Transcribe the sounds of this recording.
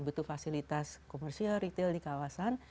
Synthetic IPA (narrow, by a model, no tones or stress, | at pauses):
but̪ufasilit̪askomɛrsialrit̪eldikawasan